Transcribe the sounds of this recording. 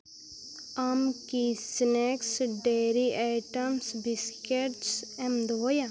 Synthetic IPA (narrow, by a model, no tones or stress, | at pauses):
amkisneksɖeɾiʔaʈəmsbiskeʈsɛmd̪oja